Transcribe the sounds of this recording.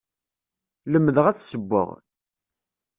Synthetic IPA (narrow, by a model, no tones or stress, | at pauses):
ləmːəðəʁæt͡sːsəbːə̰ʁ